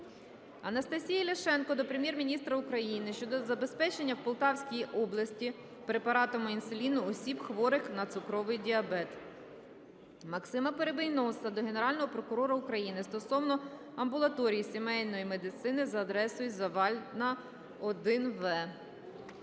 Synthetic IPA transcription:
ɐnɐst̪ɐsʲijɐlʲɐʃɛnkɔd̪ɔpɾemjɛrmʲinʲist̪ɾɐukɾɐjinɪʃt͡ʃɔd̪ɔzɐbe̞spɛt͡ʃe̞nʲːɐwpɔlˠt̪ɑwsʲkʲijiʔɔblˠɐsʲtʲi | pɾepɐɾɑt̪ɔmʊinsʊlʲinʊɔsʲibxʋɔɾɪxnɐt̪sʊkɾɔʋɪjdʲiɐbɛt̪ | mɐksɪmɐpeɾebejnɔsɐd̪ɔɦe̞ne̞ɾɑlʲnɔɦɔpɾɔkʊɾɔɾɐʊkɾɐjinɪst̪ɔsɔwnɔ | ɐmbʊlˠɐt̪ɔɾʲijisʲimɛjʲnɔjime̞d̪ɪt̪sɪnɪzɐːd̪ɾɛsʊjʲzɐʋɑlʲnɐ | ɔd̪ɪnʋɛ

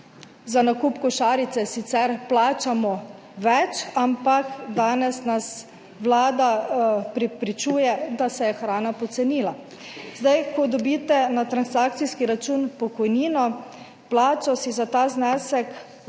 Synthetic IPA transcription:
zanakuːpkɔʃaːɾit̪sɛsit̪sɛɾplaːt͡ʃamɔ | ʋɛt͡ʃampakd̪aːnɛsnas | ʋlaːd̪apɾɛpɾit͡ʃuːjɛd̪asɛjɛxɾaːnapɔt̪sɛniːla | zd̪ajkɔd̪ɔbit̪ɛnat̪ɾansak̚t̪siskiɾat͡ʃuːnpɔkɔjniːnɔ | plaːt͡ʃɔsizat̪aːznɛːsɛk

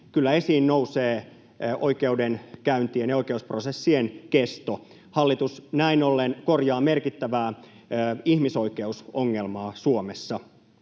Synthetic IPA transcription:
kylːæesiːnnouseː | ʔo̰ikeudenkæynt̪ienjɑoikeusprosesːienkest̪o | hɑlːit̪usnæinolːenkorjɑːmerkit̪ːæʋæː | ihmisoikeusoŋːelmɑːsuomesːɑ

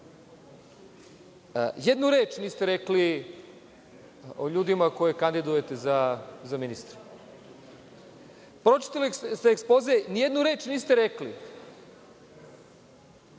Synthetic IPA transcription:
jed̪nuɾeːt͡ʃniːst̪eɾekli | oʎuːd̪imako̞jekand̪id̪ujet̪ezazaminist̪ɾe̥ | pɾo̞t͡ʃi̥t̪alist̪eːkspo̞zeenije̞d̪nuɾe̞ːt͡ʃniːst̪eɾekli

